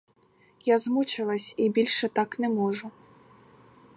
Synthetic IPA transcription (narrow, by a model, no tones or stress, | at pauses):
jazmut͡ʃɪlˠɐsʲibʲilʲʃɛt̪ɑknɛmɔʒʊ